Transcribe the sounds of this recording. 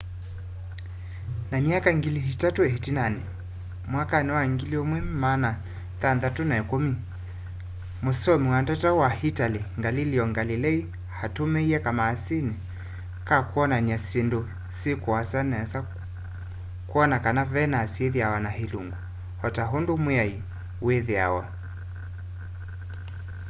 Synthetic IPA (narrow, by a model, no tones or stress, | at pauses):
namiakaŋɡiliɦitatuɛɦitinanɛ | mwakanɛwaŋɡiliɔmwɛmmana | θanðatunaɛkomi | musɔmiwantatawahitaliŋɡaliliɔŋɡalilɛi | hatumɛiɛkamaːsini | kakuɔnaniasindo | sikuwasanɛasa | kuɔnakanavɛnasieðiawanaɦiluŋɡu | hɔtaɦondomwai | weðia̰wa̰